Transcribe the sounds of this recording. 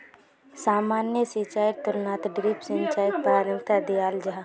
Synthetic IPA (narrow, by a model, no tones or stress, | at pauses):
saːmaːnjəsit͡ʃaːɪk̚t̪ʊɾnaːt̪ɖɾiːpsɪ̃ɲt͡ʃaːjk̚paːɾə̃ŋt̪ad̪ijaːld͡ʒaɦa